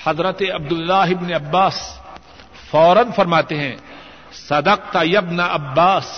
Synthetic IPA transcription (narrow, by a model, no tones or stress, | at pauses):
hɐzɾət̪eɐb̚d̪ʊlːaːɦɪbneɐbːaːs | fɔːɾənfɐɾmaːt̪eɦɛ̃ː | sɐd̪ɐq̚t̪ajɐbnaʔɐbːaːs